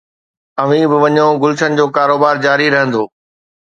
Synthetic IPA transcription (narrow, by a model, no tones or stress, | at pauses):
ɐʋ̤ĩbɪʋɐɲoɡʊlʃənɪ̆d͡ʑoːkaːɾoːbaːɾd͡ʑaːɾiɾɐɦə̃nd̪oː